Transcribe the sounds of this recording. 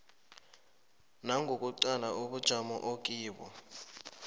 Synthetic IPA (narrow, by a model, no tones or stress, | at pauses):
naŋʱok̬ʼuǀalaʔuɓud̥ʒ̥ʱamɔ̰ʔok̬ʼiːɓɔ̰